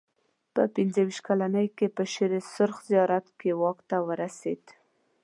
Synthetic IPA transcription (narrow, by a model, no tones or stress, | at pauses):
pə̰pɪnzəwiʃt̪̚kalanəjkepəʃeɾesʊɾxzijɑɾat̪kewɑkt̪awəɾased̪